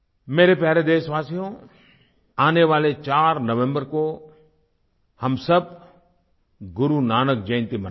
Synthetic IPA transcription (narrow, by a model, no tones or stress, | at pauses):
meːɾepjaːɾed̪eːʃʋaːsijõ | aːneʋaːlet͡ʃaːɾnɐʋẽmbəɾko | hɐmsəb̚ | ɡʊɾunaːnək̚d͡ʒɐ̃ɪ̃nt̪imɐn